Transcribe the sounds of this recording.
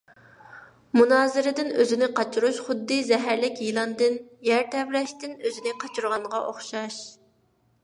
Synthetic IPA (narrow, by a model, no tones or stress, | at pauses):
munɑːzɨɾɪd̪ɪnøzɪnɪqʰɑt͡ʃʰuɾuʃχʊd̪ːɨzɛɦæɾlɪkʲjilˠɑnd̪ɨnjæɾt̪ʰɛvlɛʃt̪ɪnøzɪnɪqʰɑt͡ʃʰuɾʁɑɴʁɑʔoχʃɑʃ